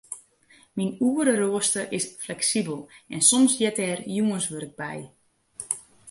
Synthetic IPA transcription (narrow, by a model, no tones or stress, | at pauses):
minuəɾəroəstəʔɪsflɛksibəlˠʔɛnsɔmsjɛtɛrjuənsʋøɾɪɡ̚bɛ̰j